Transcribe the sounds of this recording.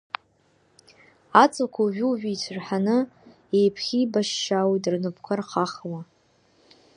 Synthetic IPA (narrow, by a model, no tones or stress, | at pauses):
at͡sʼakʷʰaʒᶣuʒᶣijt͡sʰrħanɨ | ejpʰχʲibaʃːawitrnɨpʰkʷʰarχaχwa